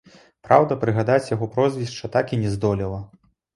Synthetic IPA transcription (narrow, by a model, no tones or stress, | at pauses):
pɾawd̪ɐpɾɨɣad̪at͡sʲjaɣɔpɾɔzvʲist͡ʂːɐt̪akinʲɛzd̪ɔlʲilˠɐ